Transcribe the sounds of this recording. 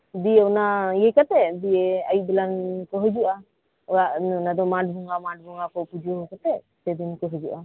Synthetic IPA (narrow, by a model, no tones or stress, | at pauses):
d̪iɛɔnajɛkat̪ɛd̪iɛajuʔ̚d̪ɛlankɔɦɔd͡ʒuʔa | ɔaʔnnad̪ɔmaʈ̚bʱɔŋamaʈ̚bʱɔŋakɔpud͡ʒɔɦɔkat̪ɛ | sɛd̪inkɔɦɔd͡ʒuʔa